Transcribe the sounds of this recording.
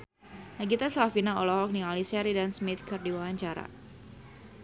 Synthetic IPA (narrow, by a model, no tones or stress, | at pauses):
naɡit̪aslafinaɔlɔɦɔk̚nialisɛɾidansmɪt̪̚kɨrdiwawaɲt͡ʃaɾa̰